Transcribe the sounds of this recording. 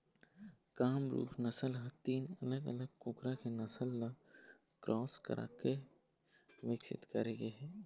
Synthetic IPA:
kaːmɾṵːkʰnɐsəlɦãt̪iːnɐləɡɐ̰ləɡ̚kʊkɾakenɐsəlːa | kɾʔɔːskə̰ɾʔa̰ːke | ʋɪksɪ̰t̪kɐɾeːɡeɦɛː

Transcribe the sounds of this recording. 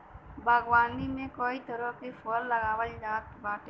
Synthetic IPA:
bʱəɡʋaːnimẽkɔit̪əɾəkepʰəlːəɡawəlɾat̪baːʈe

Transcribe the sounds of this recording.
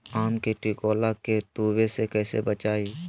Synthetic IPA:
aːmkeʈikoːlaket̪uːwesekɛːsḛbət͡ʃaːiː

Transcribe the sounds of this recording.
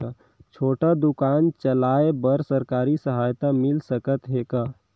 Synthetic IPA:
a | t͡ʃʰoːʈad̪ukaːnt͡ʃəlaːebəɾsəɾkaːɾisəɦaːjt̪amɪlsəkət̪ɦeːkaː

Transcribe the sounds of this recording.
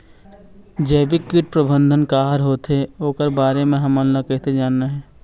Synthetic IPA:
d͡ʒɛːbikɪʈ̚pɾəbə̃nd̪ʱənkaːɦəɾɦoːt̪ɦeoːkəɾbaːɾemẽɦɐmənlːakɛːɦt̪ed͡ʒaːnːaɦɛː

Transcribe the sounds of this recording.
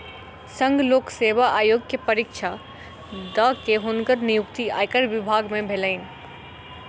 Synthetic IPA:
sə̃ŋɡloːkseːʋaʔaːjoːɡkepəɾikʃʰa | d̪əkeɦʊnɡəɾnijʊkt̪ia̰ːjkəɾʋɪbʱaːɡmẽbʱeləɪn

